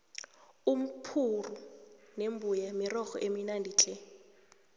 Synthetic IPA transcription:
um̩pʰurunembʱujamirɔxɔ̰ʔeminandʱiːt͡ɬʰʼɛ

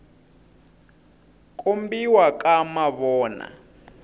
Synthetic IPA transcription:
kʼombiwakʼamaβɔːna̰

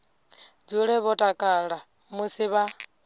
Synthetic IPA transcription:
d͡zuɺɛβɔtʼakʼaːɺa | musiβa

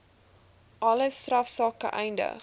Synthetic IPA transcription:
ʔɐləstrɐfsɑːkə̰ʔɛjndə̰χ

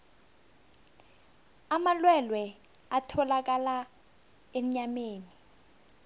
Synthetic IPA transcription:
amalwɛlwɛ | atʰɔlak̬ala | em̩ɲameːni

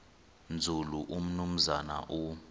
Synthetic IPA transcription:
nd͡zʱuluʔum̩num̩zana̰ʔu

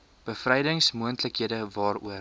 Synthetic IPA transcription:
b̥əfrɛjdəŋsmuəntləkɦiədəvɑːɾṵə

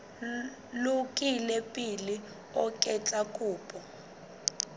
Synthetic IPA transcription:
lukʼilɛpʼili | ɔkʼɛt͡ɬʼakʼuːpʼɔ

